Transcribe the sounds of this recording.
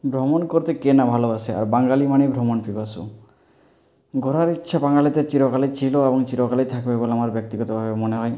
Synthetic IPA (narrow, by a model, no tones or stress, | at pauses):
bʱɾɔmonkoɾt̪ekenabʱaloat͡ʃʰea̰ɾbaŋɡalimanebʱɾɔmonpibasṵ | ɡʱɔɾaɾitːʃʰabaŋɡalit̪et͡ʃiɾɔkalit͡ʃʰiloebɔŋt͡ʃiɾɔkalijt̪ʰakbeboleamaɾbjɔk̚t̪iɡɔt̪ɔbʱabemɔneɦɔj